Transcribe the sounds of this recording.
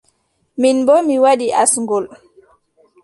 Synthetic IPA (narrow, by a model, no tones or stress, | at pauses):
minbɔmiwaɗiʔasŋɡɔl